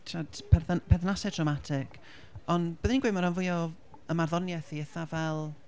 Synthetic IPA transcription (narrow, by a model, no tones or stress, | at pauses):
tʰatʰpʰɛpʰɛðnasɛdrɔmatʰɪk | ɔnb̥əðninɡwemaɾanvʊjɔ | əmarðɔnjɛθiəθavɛlˠ